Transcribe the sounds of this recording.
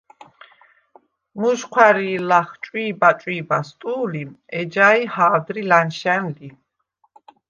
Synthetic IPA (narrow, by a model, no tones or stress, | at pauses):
muʒqʰwaɾiːlaχt͡ʃʼwiːbat͡ʃʼwiːbast̪ʼuːliɛd͡ʒaihaːd̪ɾilanʃɛnli